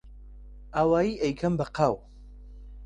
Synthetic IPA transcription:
aːwaːjiːʔejkʰɐmbɐqʰaw

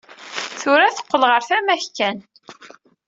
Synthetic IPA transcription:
θʊɾæθə̥qːəlʁəɾθæmæçkæn

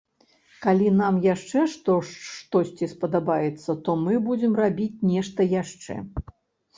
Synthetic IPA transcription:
kalʲinamjaʂt͡ʂɛʂt̪ɔʂt̪ɔsʲt͡sʲispɐd̪abajɛt̪sːɐt̪ɔmɨbud͡zʲɛmrabʲit͡sʲnʲɛʂt̪ɐjaʂt͡ʂɛ̰

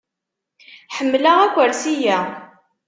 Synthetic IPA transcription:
ħəmːlæʁækʷəɾsijæ

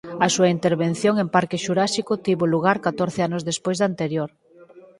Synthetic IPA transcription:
ɐsuɐint̪eɾβen̟θjoŋempaɾkeʃuɾaʃikʊt̪iβoluɣ̞aɾkat̪oɾθeanozðespojzðant̪eɾjoɾ

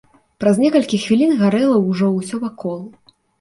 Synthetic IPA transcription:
pɾɐzʲnʲɛkɐlʲkʲixvʲilʲinɣaɾɛlˠɐwʐɔwsʲɔvakɔlˠu

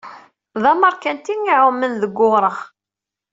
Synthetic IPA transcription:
ðˤɑməɾˤkænt̪iŋiʕʊmːənðəɡːʊɾˤəʁ

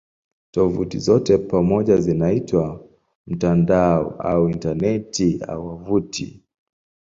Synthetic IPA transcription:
tɔvṵtizɔtɛpamɔʄazinaitwa | m̩tandaɔ̰a̰uintanɛtia̰uwavutḭ

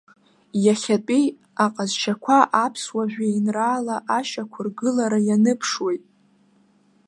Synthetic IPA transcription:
jaχʲatʼij | aqʼazt͡ʃʰakʷʰaʔapʰswaʒᶣʷajinraːlaʔaʃakʷʰʊrɡɨlaɾajanɨpʰʂwejtʼ

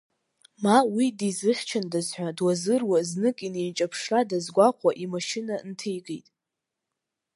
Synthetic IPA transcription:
mawidizɨχʲt͡ʃʰandazħʷadwazɨrwaznɨkʼinent͡ʃʼapʰʂradazɡʷaqʷʰaʔimaʃɪnantʰejɡejtʼ

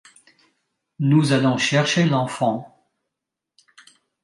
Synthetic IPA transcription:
nuzalɔ̃ʃɛʁʃelɑ̃fɑ̃

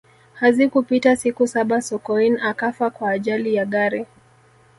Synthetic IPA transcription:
hazikupitasikusaɓasɔkɔinakafakwaːʄalijaɠaɾi

